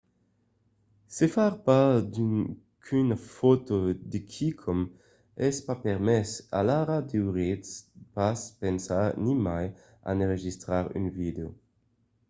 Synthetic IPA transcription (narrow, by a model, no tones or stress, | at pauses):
sefaʁpad̪y | kʰynafot̪od̪ekʰikʰom | ɛspapeʁmɛsa̰laʁad̪ewʁitspaspensaʁnimaj | a̰nʁeʒist̪ʁaʁy̰nvid̪eo